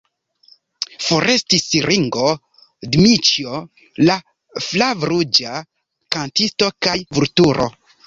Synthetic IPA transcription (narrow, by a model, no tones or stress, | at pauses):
foɾʔe̞stisiɾʔiŋɡo̞ | dmit͡ʃio | la | flavɾud͡ʒa | kantisto̞kajvuɾtuɾʔo̞̰